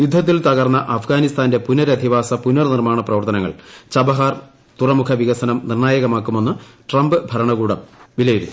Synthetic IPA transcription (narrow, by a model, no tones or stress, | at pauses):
jud̪ʱːɐt̪̬ːilt̪ɐɣɐrnːɐʔɐfɡaːnist̪ʰaːnde̞punːɐɾɐd̪ʱiʋaːsɐpunːɐrnirmaːɳɐprɐʋɐrt̪ɐnɐŋːɐ̰ɭt͡ɕɐbɐɦaːr | t̪urɐmukʰɐʋiɣɐsɐnɐmnirɳaːjɐɣɐmaːkːumo̞nːɨʈrɐmbɨbʱɐɾɐɳɐɣuːɽɐ̰mʋilɐjiɾuːu